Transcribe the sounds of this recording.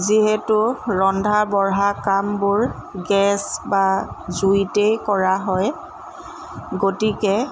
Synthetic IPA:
ziɦɛtʊɹɔndʱabɔɹɦakambʊɹ | ɡɛsbazuitejkɔɹaɦɔj | ɡotikɛ

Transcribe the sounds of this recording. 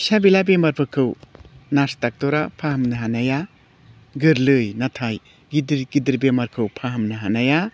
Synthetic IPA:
sabilabemɐɾpʰɯkʰɯwnastak̚tɔɾapʰahɐmnɐɦanaja | ɡɯɾlɯjnatʰaj | ɡidɾɡidiɾbemɐɾkʰɯwpʰaɦɐmnɯɦanaja

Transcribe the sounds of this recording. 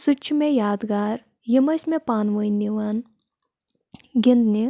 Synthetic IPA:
sʊt͡ʃʰmẽjaːd̪ɡaːɾ | jimɐsmẽpaːnʋəːjnːiʋan | ɡind̪ni

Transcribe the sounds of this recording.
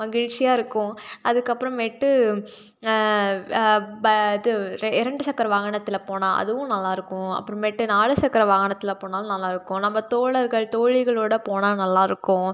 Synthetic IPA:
mɐɣɪɻt͡ʃɪjaːɪɾɯkːʊ̃ʔɐðɯkːɐpːɯɾɐ̃mʋɛʈːɯ | ɐɪðɯɾɪɾɐɳɖɯsɐkːɐɾɐʋaːɣɐɳɐt̪ːɪlɐpoːnãːʔɐ̰ðɯʋʊ̃nɐlːaːɪɾɯkːʊ̃ɐ̰pːɯɾɐ̃mʋɛʈːɯnaːɭɯsɐkːɐɾɐʋaːɣɐɳɐt̪ːɪlɐpoːnaːlnɐlːaːɪɾɯkːʊ̃nɐmːɐt̪oːɭɐɾɣɐɭt̪oːɻɪɣɐɭoːɽɐpoːnaːnɐlːaːɪɾɯkːʊ̃

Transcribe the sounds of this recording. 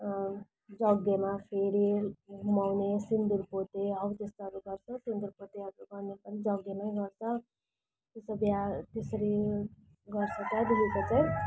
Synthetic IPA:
d͡zʌɡemapʰeɽiɡumawnesind̪iɾpot̪eɦʌwt̪est̪aɾuɡʌrt͡sʰʌt̪end̪irpot̪eʌmɾuɡʌrnepʌnid͡zʌɡːemʌj̃ɡʌrt͡sʰʌ | t̪esʌbjat̪esʌɾi | ɡʌrt͡sʰʌbad̪ilikot͡saj

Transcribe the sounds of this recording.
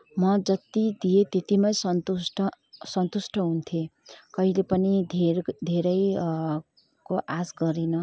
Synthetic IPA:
mʌd͡zʌt̪id̪ijet̪et̪imʌjsʌnt̪uʈʌ | sʌnt̪usʈʰʌɦunt̪ʰekʌɦilepʌnid̪ʱed̪ʱeɾʌj | koʔasɡʌɾinʌ

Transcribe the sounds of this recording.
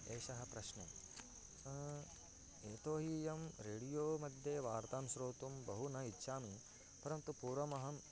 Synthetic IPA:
eːʃɐɦɐ̆pɾɐʃɳe | ɐ | eːt̪oːɦiːjɐmɾeːɽijoːmɐd̪ʱjeʋaːɾt̪aːnusɾoːt̪umbɐɦunɐitːʃʰaːmi | pɐɾɐmt̪upuːɾʋɐmɐɦɐm

